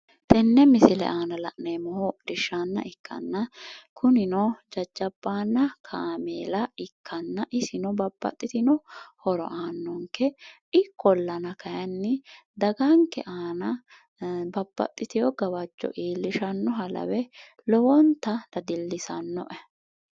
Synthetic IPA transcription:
t̪ɛnːɛmɪsɪlɛ̰ʔaːnɐlɐ̰ʔneːmɔhodɪʃːanːɐ̰ʔɪkːɐ̰nːɐkʰʊnɪnɔd͡ʒɐd͡ʒːɐbːaːnːɐkʰaːmeːlɐɪkʰːɐnːɐʔɪsɪnɔbɐb̥ːɐ̰t̪ʼːɪt̪ɪnɔhɔɾɔ̰ʔaːnːɔŋkːɛ | ɪkʰːɔlːɐnɐkɐjɐnːɪd̪ɐɡɐŋkːɛʔaːnɐ | bɐb̥ːɐ̰t̪ʼːɪt̪ɪjɔɡɐwɐd͡ʒːɔ̰ʔiːlːɪʃɐnːɔɦɐlɐ̰wɛ | lɔwɔnt̪ːɐd̪ɐd̪ɪlːɪsɐnːɔ̰ʔɛ

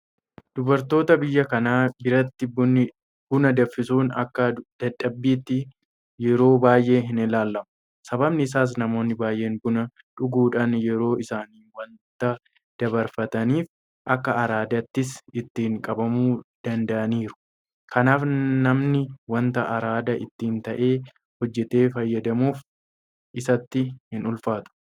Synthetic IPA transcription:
d̪̥ʊbɐɾt̪o̞ːt̪ɐbɪjːɐkɐnaːbɪɾɐt̪ːɪbnɪ | b̥ʊnɐd̪ɐfːɪsuːnɐkːɐd̪̥ɐᶑːɐbːiːt̪ːɪ | jɛɾo̞ːbaːjʔe̞ːɦɪnɪlaːlːɐmɐ̥ | sɐbɐbnɪɪs̬aːs̬nɐmo̞ːnːɪbaːjʔe̞ːnbʊnɐ | ᶑʊɡuːᶑaːnjɛɾo̞ːʔɪsaːniːwɐnt̪ːɐ | d̪̥ɐbɐɾfɐt̪ɐniːf | ʔɐkːɐɐɾaːd̪ɐt̪ːɪsɪt̪ːɪɪŋkʼɐbɐmuːd̪̥ɐnd̪ɐʔɐniːɾʊ̥ | kʰɐnaːfnɐmnɪwɐnt̪ɐʔɐɾaːd̪ɐʔɪ̰t̪ːɪnt̪ɐʔe̞ː | hɔd͡ʒːɛt̪e̞ːfɐjːɐd̪ɐmuːf | ʔɪsɐt̪ːɪhɪnʊlfaːt̪ʊ̥

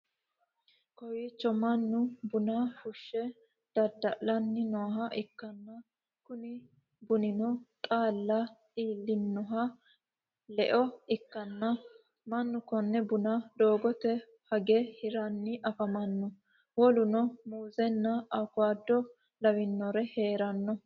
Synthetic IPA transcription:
kɔjit͡ʃːɔmɐnːʊbʊnahʊʃːɛ | d̪̥ɐd̪ːɐʔlɐnːɪnɔɦɐʔɪkːɐnːɐ | kʊnɪ | bʊnɪnɔt̪ʼaːlːɐ | iːlːɪnːɔɦɐ | lɛʔɔɪkːɐnːɐ | mɐnːʊkɔnːɛbʊnad̪o̞ːɡɔt̪ɛ | hɐɡɛhɪɾɐnːɪʔɐfɐmɐnːɔ | wɔlʊnɔmuːzɛnːɐɐkʊaːd̪ːɔ | lɐwɪnːɔɾɛheːɾɐnːɔ

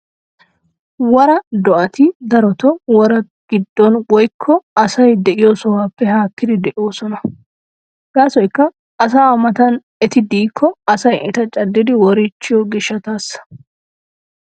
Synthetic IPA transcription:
wɔɾɐd̪ɔʔɐt̪ɪd̪ɐɾɔt̪ɔwɔɾɐ | ɡ̥ɪd̪ːɔnwɔjkʰːɔɐsɐjd̪ɛʔɪjoːsɔwaːpːɛhaːkːɪd̪ɪd̪ɛʔɪwoːsɔnɐ | ɡ̥aːsɔjkːɐː | s̬aːmɐt̪ɐn | ɛt̪ɪd̪iːkʰːɔɐsɐjʔɛt̪ɐt͡ʃʼɐd̪ːɪd̪ɪwɔɾɪt͡ʃːɪjɔɡɪʃːɐt̪aːsːɐ̥

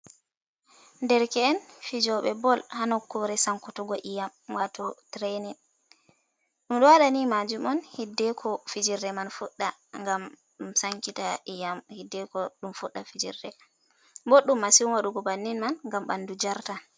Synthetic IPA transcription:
ndɛɾkɛːnfid͡ʒɔɓɛbɔlhanɔkːɔɾɛsaŋkutuɡɔʔijamwatɔtɾenin | ɗumɗɔwaɗanimad͡ʒumɔnhidːɛkʰɔfid͡ʒiɾdɛmanfuɗːaŋɡam | ɗumsaŋkitaijamhidːɛkɔɗumfuɗːafid͡ʒḭɾdɛ | mbɔɗːumːasiumwaɗuɡɔbanːinmanŋɡamɓa̰ndud͡ʒaɾta

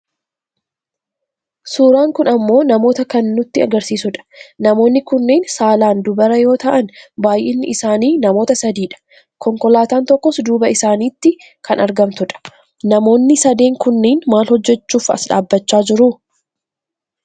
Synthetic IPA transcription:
suːɾaːŋkʊnɐmːo̞ːnɐmo̞ːt̪ɐkɐnːʊt̪ːɪɐɡɐɾsiːsʊᶑɐ̥nɐmo̞ːnːɪkʊnːeːnsaːlaːnd̪ʊbɐɾɐjo̞ːt̪ɐʔɐnbaːjʔeːnːɪ̰ʔɪsaːniːnɐmo̞ːt̪ɐsɐd̪iːᶑɐ̥ | kɔŋkɔlaːt̪aːnt̪ɔkːɔsd̪uːbɐɪsaːniːt̪ːɪ | kʰɐnɐɾɡɐmt̪ʊᶑɐ̥ | nɐmo̞ːnːɪsɐd̪e̞ːŋkʊnːeːnmaːlhɔd͡ʒːɛt͡ʃːuːfɐ̰sᶑa̰ːbːɐt͡ʃːaːd͡ʒɪɾu

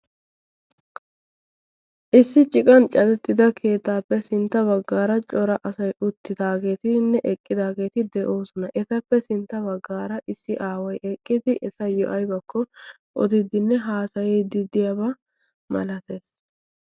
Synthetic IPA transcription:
ʔɪsːɪt͡ʃʼɪkʼɐnt͡ʃʼɐd̪ɛt̪ːɪd̪ɐkʰe̞ːt̪ːaːpːɛsɪnt̪ːɐbɐɡːaːɾɐt͡ʃʼɔɾɐʔɐsɐjʊt̪ːɪd̪aːɡe̞ːt̪ɪnːɛʔɛkʼːɪd̪aːɡe̞ːt̪ɪd̪ɛʔo̞ːsɔnɐʔɛt̪ɐpːɛsɪnt̪ːɐbɐɡːaːɾɐʔɪsːɪʔaːwɐjʔɛkʼːɪd̪ɪʔɛt̪ɐjɔʔɐjbɐkːɔ | ʔɔ̰d̪ɪd̪ɪnːɛɦaːsɐjed̪ɪd̪ɪjɐbɐ | mɐ̰lɐt̪e̞ːs

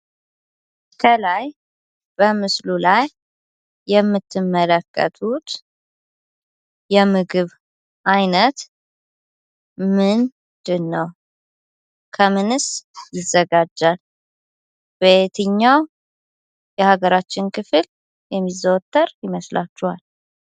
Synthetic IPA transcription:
kʰəlaj | b̥əmɨslulajː | ɛmːɨt̪ʰːɨmːələkːə̰t̪ʰut̪ | jɛmɨɡɨβ | ʔajnət̪ | mɨn | d̪̥ɨnːəw | kʰəmɨnɨsjɪzəɡad͡ʒːal | b̥et̪ʰɨɲːaw | jɛhaɡəɾat͡ʃːɪnkʰɨfɨl | jɛmːizəwt̪ːəɾjɪməsla̰t͡ʃːɛhal

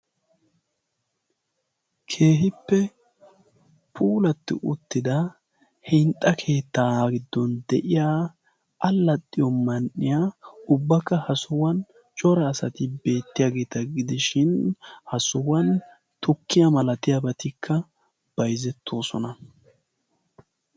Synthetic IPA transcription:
kʰe̞ːɦɪpːɛ | pʰuːlɐt̪ːɪ̰ʔʊt̪ːɪd̪ɐ | hɪnt̪ʼːɐkʰe̞ːt̪ːaːɡɪd̪ːɔnd̪ɛʔɪjaː | ɐlːɐt̪ʼːɪjɔmɐnʔɪjaʊbːɐkːɐhɐsʊwɐn | t͡ʃʼɔɾɐːsɐt̪ɪbe̞ːt̪ːɪjaːɡe̞ːt̪ɐɡɪd̪ɪʃɪnhɐsʊwɐn | t̪ʰɔkʰːɪjɐmɐlɐt̪ɪjɐbɐt̪ɪkʰːɐ | b̥ɐjzɛt̪ːo̞ːsɔnɐ

